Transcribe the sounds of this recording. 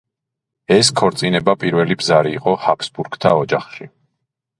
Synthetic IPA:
ɛskʰɔɾt̪sʼinɛbapʼiɾvɛlibzaɾiːqʼɔhapʰsbuɾɡt̪ʰaɔd͡ʒaχʃi

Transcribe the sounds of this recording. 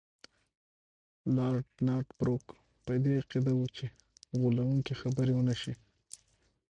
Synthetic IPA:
lɑɾʈnɑʈbɾok | pəd̪eaqid̪awut͡ʃe | ɣulawuŋkixabəɾewənaʃi

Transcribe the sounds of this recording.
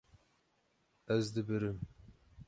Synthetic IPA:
ɛzd̪ɨbɨɾɨm

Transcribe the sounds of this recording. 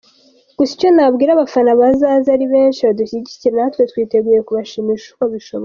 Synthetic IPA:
ɡ̥usi̥co̞nabɡiːɾaβafanaβazaːzaɾiβe̞ːnʃiβaduçiɟiciɾenahatwe̞twiːte̞ɡuːje̞kuβaʃimiʃu̥koβiʃoβo

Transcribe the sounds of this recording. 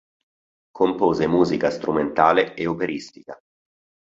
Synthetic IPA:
kʰompoːzemuːzikast̪ɾʔument̪aːleeupeɾist̪ika

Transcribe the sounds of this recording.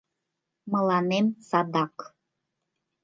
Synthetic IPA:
mɤ̆lɑnemsɑd̪ɑk

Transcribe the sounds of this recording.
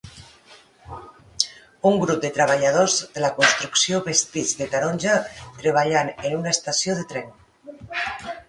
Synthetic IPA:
uŋɡɾup̚d̪et̪ɾaβ̞aʎað̞ozðelakunst̪ɾuksioβest̪id͡zðet̪aɾonʲʒat̪ɾeβ̞aʎanenunaest̪asjoðet̪ɾɛn

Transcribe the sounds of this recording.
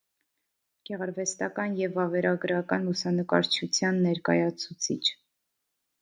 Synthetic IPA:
ɡ̥ɛʁɑɾvɛst̪ɑkɑnjɛvɑvɛɾʔɑɡəɾɑkɑnlusɑnəkɑ̰ɾt͡ʃʰut͡sʰjɑnːɛɾkɑ̰jɑt͡sʰut͡sʰit͡ʃʰ

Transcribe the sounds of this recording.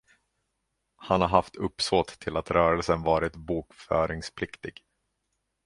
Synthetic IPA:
hanhaɾɦaft̪ɵpːsoːt̪ʰːɪlat̪ɾœːɾəlsənvɑːɾɪt̪buːkfœ̰ːɾɪŋspʰlɪkt̪ɪɡ

